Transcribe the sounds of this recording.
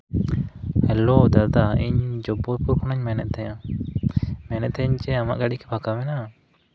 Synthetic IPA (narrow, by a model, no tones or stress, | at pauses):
hɛlod̪ad̪aiɲd͡ʒɔbɔɾpuɾkʰɔnaɲmɛnɛʔ̪̚t̪ɛjã | mɛnɛt̪̚t̪ɛɲt͡ʃɛama̰ʔɡaɽikɛpʰakamɛna